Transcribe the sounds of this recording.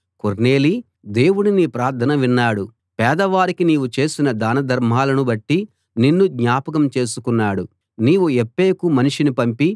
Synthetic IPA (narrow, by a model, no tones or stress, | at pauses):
koɾne̞ːli | d̪e̞ːwuɽinipɾaːɾt̪ʰɐnɐʋinːaːɽu | pɛːd̪ɐʋaːɾikiniːʋut͡ʃe̞ːsinɐd̪aːnɐd̪ʱɐɾm̤aːlɐnubɐʈːi | ninːud̪ɲaːpɐk̬ɐmt͡ʃe̞ːsukunːaːɽu | niːʋuepːeːkumɐniʂinipɐmpi